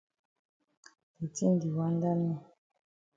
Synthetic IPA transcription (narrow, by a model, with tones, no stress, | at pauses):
pe˨ti˦n˨di˨wa˦n˦da˦nɛ˦˨